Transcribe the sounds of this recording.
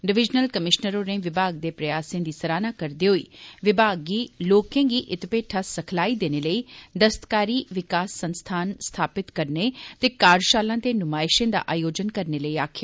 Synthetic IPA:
ɖɪʋɪd͡ʒnəlkəmɪʃnəɾõːnẽʋɪbʱaːɡ̚d̪eːpɾɐjaːsẽːd̪iːsəɾaːnaːkəɾd̪eːɦoḭːʋɪbʱaːɡːiːloːkẽːɡiːʔɪt̪ɪpeːʈʰaːsəkʰlaːid̪eːneləiːd̪əst̪kaːɾiːʋɪkaːsːə̃nst̪ʰaːnst̪ʰaːpɪt̪kəɾnet̪eːkaːɾʃaːlãːt̪eːnʊmaːɪʃẽːd̪a̰ːʔaːjoːd͡ʒənkəɾneːləiːaːkʰɪjaː

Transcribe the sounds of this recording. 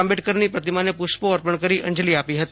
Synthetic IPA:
ambɪʈkəɾnipɾət̪ɪmanẽpʊʃpoɔɾpəɳ̃kəɾiʔɐ̰̃ɲd͡ʒliaːpiɦət̪

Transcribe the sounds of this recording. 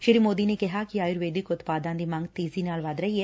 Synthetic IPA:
ʃɪɾimoːd̪inekɪɦakiaːjʊɾʋeːd̪ɪkʊt̪paːd̪ãːd̪iːmãːŋɡt̪eːziːnaːlʋad̪ɾəɦiɛː

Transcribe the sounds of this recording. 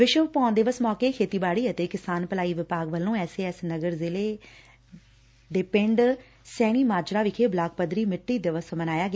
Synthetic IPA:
ʋɪʃəʋpɔ̃ːnd̪eːʋəsmɔːkeːkʰeːt̪iːbaːɽiːət̪eːkɪsaːnpəlaːiːʋɪpaːɡʋəlːõːɛːseːɛsnəɡəɾzɪleː | ɖeːpɪɳɖ | sɛːɽ̃iːmaːd͡ʒɾaːʋɪkʰeːblaːk̚pəd̪ɾiːmɪʈːiːd̪eːʋəsmənaːjaːɡː

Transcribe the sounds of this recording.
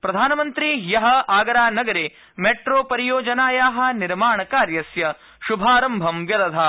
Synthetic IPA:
pɾɐd̪ʱaːnɐmɐnt̪ɾijɐɦɐ̆aːɡɐɾaːnɐɡɐɾeː | meʈɾoːpɐɾijoːd͡ʒɐnaːjaːɦɐ̆niɾmaːɳɐkaːɾjɐsjɐ | ʃubʱaːɾɐmbʱɐmʋjɐd̪ɐd̪ʱa

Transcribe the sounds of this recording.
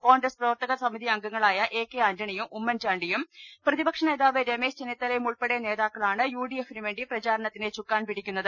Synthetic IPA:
ko̞ːŋɡrɐsprɐʋɐrt̪ɐɣɐsɐmiðʱiɐŋɡɐŋːɐɭaːjɐʔe̞ːkːeɐɲd͡ʑɐɳijumʔumːɐnt͡ɕaːɳɖijumprɐðibɐkʂɐneːðaːʋeɾeme̞ːɕd͡ʑenit̪ːɐlejmuɭpeɽejne̞ːðaːkːɐɭaːɳɨjuːɖijefniʋeːɳɖiprɐt͡ɕaːɾɐɳɐt̪ːinet͡ɕukːaːnpiɽikʲːunːɐðɨ

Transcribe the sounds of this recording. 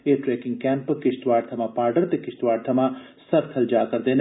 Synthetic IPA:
eːʈɾeːkɪ̃ŋɡkɛːmpkɪʃt̪ʋaːɖt̪ʰɐmãːpaːɾɖəɾt̪ekɪʃt̪ʋaːɖ̚t̪ʰɐmãsɐɾt̪ʰɐld͡ʒaːkɐɾd̪eːn

